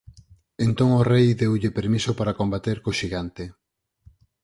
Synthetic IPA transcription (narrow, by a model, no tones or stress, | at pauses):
ent̪oŋorejðewʎɪpeɾmisopaɾakombat̪eɾkoʃiɣant̪e